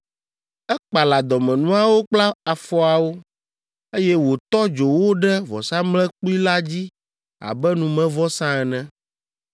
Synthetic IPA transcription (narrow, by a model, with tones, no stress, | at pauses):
ɛ˦k͡pa˨la˨d̪ɔ˨mɛ̃˨nũ˦a˦wo˦k͡pla˦a˨fɔ˨a˨wo˦ | e˦jɛ˦wo˨t̪ɔ˦d͡ʒo˨wo˦ɖɛ˦vɔ̰˨sã˦mlɛ˦k͡pu˦i˦la˦d͡ʑi˦ | a̰˨bɛ˦nũ˨mɛ̃˦vɔ˦sã˦ɛ˨nɛ̃˦